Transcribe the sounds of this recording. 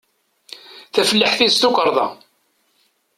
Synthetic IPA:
θæfəlːəħθist̪ukəɾˤðˤɑ̰

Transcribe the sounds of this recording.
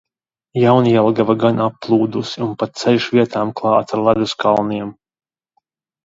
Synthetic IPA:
jawnijɛlˠɡavaɡanapːlˠuːd̪usiunpat̪̚t̪sɛlʲʃvʲiɛt̪aːmklˠɑːt̪aɾlˠad̪uskalˠniɛm

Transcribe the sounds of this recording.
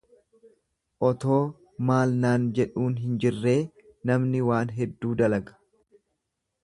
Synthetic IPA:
ʔɔt̪o̞ː | maːlnaːnd͡ʒɛᶑuːnɦɪnd͡ʒɪrːe̞ː | nɐmnɪwaːnɦɛd̪ːuːd̪ɐlɐɡɐ̥

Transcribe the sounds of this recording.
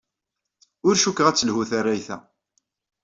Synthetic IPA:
ʊɾʃukːʁæt͡sːəlhuθarːæjθæ̰

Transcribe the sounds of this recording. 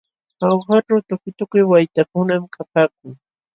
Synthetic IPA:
awxaʈ͡ʂawt̪ʊkʊjt̪ʊkʊjwajt̪akʊnamkʰapaːk̚ʊŋ

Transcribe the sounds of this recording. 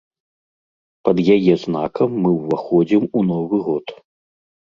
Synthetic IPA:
pɐd̪jajɛznakɐmːɨwvaxɔd͡zʲimunɔvɨɣɔt̪

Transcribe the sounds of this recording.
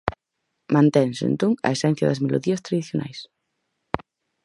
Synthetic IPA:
mãnt̪ɛŋsḛnt̪oŋɐ̰esɛn̟θjɐðɐzmelʔo̰ðiɐst̪ɾaðiθjona̰js

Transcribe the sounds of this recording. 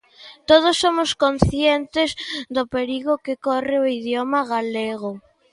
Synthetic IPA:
t̪oð̞ʊsːomʊskon̟θjent̪ɪzd̪ʊpeɾiɣʊkɪkorɪʊiðjomaɣaleɣʊ

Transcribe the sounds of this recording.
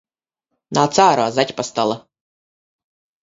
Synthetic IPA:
naːt̪saːɾɔazat̪ʲpast̪alˠa

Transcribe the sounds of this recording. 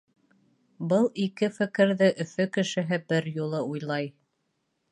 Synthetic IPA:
bɤlˠikɘfɘ̆kɘ̆ɾðɘʔɵ̆fɵkɘ̆ʃɘ̆ɦɘbɘɾjulˠɤujlˠɑj

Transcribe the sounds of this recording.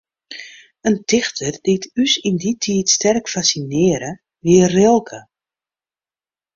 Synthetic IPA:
əntɪxtʰərd̥itʰysinditʰiːtstɛrkfasinɪːəɾə | ʋɪərɪlˠkʰə

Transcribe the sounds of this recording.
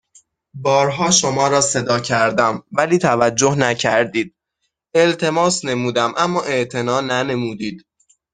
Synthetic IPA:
bɒːɾɦɒːʃo̞mɒːɾɒːse̞d̪ɒːcʰæɾd̪æmvæliːt̪ʰævæd͡ʒːohnæcʰæɾd̪iːd̪̥̚ | e̞lt̪ʰe̞mɒːsne̞muːd̪æmʔæmːɒːʔe̞ʔt̪ʰe̞nɒːnæne̞muːd̪iːd̪̥

